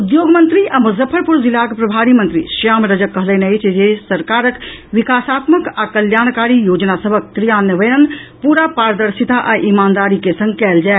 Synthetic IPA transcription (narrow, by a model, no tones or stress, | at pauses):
ud̪joːɡmənt̪ɾiʔamuzəpʰːəɾpuɾzilːakepɾɐbʱaːɾimənt̪ɾḭʃaːmɾəd͡ʒəkːəɦləneəɪt͡ʃʰd͡ʒesəɾkaːɾəkʋikaːsaːt̪məkakəljaːɽ̃kaːɾijoːd͡ʒnasəbʱək̚t̪ɾijaːnəʋəjənpuːɾapaːɾd̪əɾsit̪aʔaʔimaːnd̪aːɾikesə̃ŋɡkɛːld͡ʒaːe